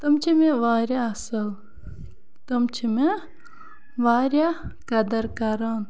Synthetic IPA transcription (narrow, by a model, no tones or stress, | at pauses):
t̪ɐmt͡ʃʰimẽʋaːɾjaɐsɐl | t̪ɐmt͡ʃʰime | ʋaːɾjakɐd̪ɐɾkɐɾaːn